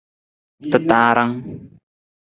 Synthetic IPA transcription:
t̪ə˨t̪aɾa˦ŋ

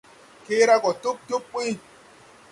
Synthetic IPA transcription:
ke˦ɾa˦kɔ˨tu˦p̚tu˦pːi˦

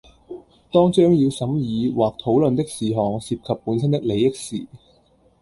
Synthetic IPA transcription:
t̪ɔː˥ŋt͡ʃœː˥ŋjiː˧wsɐ˨˥mjiː˨˧waː˨k̚t̪ʰo˨˥wlɵ˨nt̪ɪ˥k̚siː˨˩ɦɔː˨ŋsiː˧p̚kʰɐ˨pːuː˨˥ns̬ɐ˥nt̪ɪ˥k̚le˨˧jɪ˥k̚sḭː˨

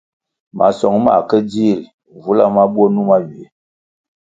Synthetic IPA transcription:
ma̰˨sɔ˨ŋma˨kə˦di˦˨l | vu˦la˦ma˦ɓwo˦nu˦ma˦ɥi˨e˨˦

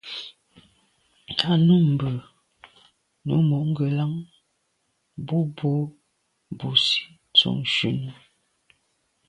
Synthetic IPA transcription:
kʰa˦˨nu˦m̩˨bə˨ | nṵ˨˦mɔ˨ʔŋ̩˦ɡə˨la˦ŋ | bu˦bo˦ | bu˨si̥˦ | t͡sṵ˨ŋʃʉ˨nə˦

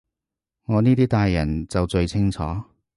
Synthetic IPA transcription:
ŋɔː˨˧niː˥t̪iː˥t̪aː˨jːɐ˨˩nt͡sɐ˨wt͡ʃɵ˧ɥt͡sʰɪ˥ŋt͡sʰɔ̰ː˨˥

